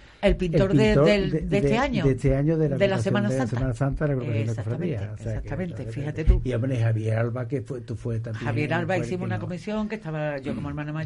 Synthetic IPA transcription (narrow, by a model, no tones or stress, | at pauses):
elpint̪oɾðet̪oɾeed̪et̪eaɲoet̪eaɲoðelaɣd̪elaasejomãnaseasemanasant̪aðelaɣɾukaθjod̪esofɾaðiasesak̚t̪amẽnt̪efihat̪et̪uiamneɦaβjeɾalβakefwet̪ufwet̪amheaβje̞ɾalβaiθimuunakomisjo̞ŋke̞st̪aβaʝo̞komoeɾmãnama